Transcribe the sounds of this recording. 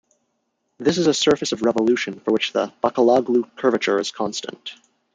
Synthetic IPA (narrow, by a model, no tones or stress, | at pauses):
ðɪs̬ɨzəsɜ˞fɨsʌvɹɛvəlʉʃɨ̃nfə˞wɨt͡ʃðəb̥ɑkəlɑɡlukʰɜ˞vɨt͡ʃə˞ɨz̥kʰɑ̃nstə̰̃nt